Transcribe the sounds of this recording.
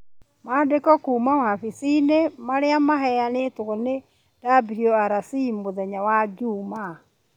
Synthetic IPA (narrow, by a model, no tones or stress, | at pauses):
madekɔkuːmawafisinemaɾeamaɦɛjanetoɣɔne | d̥abɾiɔaɾasimːoðɛɲawad͡ʒuma